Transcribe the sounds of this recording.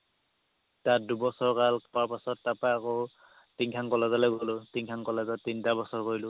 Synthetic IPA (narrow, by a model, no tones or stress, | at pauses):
tat̚dubɔsɔɹkalpɔaɹpasɔtːapaako | tiŋkʰaŋkɔlazalɛɡolʊtiŋkʰaŋkɔlazatintabɔsɔɹkoilʊ